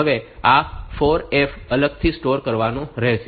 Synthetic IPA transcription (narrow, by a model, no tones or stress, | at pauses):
əʋeafoɾefələɡ̚t̪ʰisʈoɾkəɾʋanũɾɛɦʃ